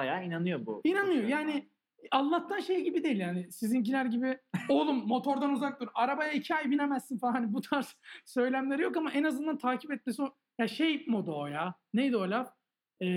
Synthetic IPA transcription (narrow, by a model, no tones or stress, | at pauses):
ajaːinanɯjo̞bṵinanɯjo̞jaːnɪ | allːˠat̪ʰːanʃejɟibid̪e̞jilʲjaːnɪsizinɟinæɾɟibiolˠumːo̞t̪ʰo̞ɾd̪anuzak̚d̪uɾaɾabajaicʰiajbinemæzːinfaaɦanibut̪ʰaɾssø̞jlʲæmlʲeɾijo̞kamaʔenazɯnd̪ant̪ʰaːcʰipɛt̪̚mesino | jaʃejpmod̪oːjanejd̪olʲaf | ɛː